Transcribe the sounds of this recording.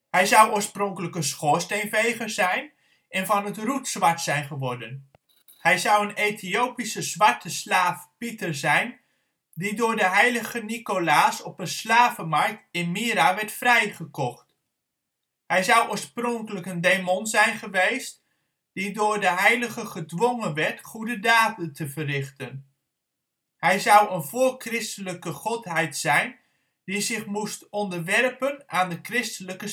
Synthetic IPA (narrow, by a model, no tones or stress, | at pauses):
hɛjzʌwʔoːɹsprɔŋkələkənsχoːɹstejnvejχəɹz̥ɛjn | ʔɛnvɑnətrutsʋɑɹtsɛjnχəʋɔɹdən | hɛjzɑwənejtʰiowpisəzʋɑɹtəslaːfpitəɹzɛjn | didʊːɹdəɦɛjləɣənikolaːsɔpənslaːvəmaɹk̚tɪnmiːɾaʋɛɹtfrɛjχəkɔχt | hɛjzɑwʊːɹsprɔŋkələkəndemonzɛjnχəʋejst | d̥idʊːɹdəɦɛjləχəχədʋɔŋənʋɛɹtχudədaːtəntʰəvərɪχtən | hɛjzʌwənvʊːɹkrɪstələkəχɔtɦɛjtsɛjn | d̥izɪχmustɔndəɹʋɛrpənʔaːndəkrɪstələkə